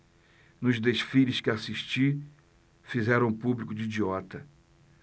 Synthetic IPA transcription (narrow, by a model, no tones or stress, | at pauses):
nʊzd̪eʃfilɪskɪasiʃt͡ʃi | fizɛɾɐ̃w̃publikʊd͡ʒiid͡ʒiɔt̪ɐ